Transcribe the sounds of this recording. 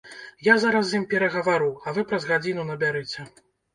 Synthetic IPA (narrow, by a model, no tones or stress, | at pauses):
jazaɾɐs̬jimpʲɛɾɐɣɐvaɾuɐvɨpɾɐzɣad͡zʲin̪unɐbʲaɾɨt͡sʲɛ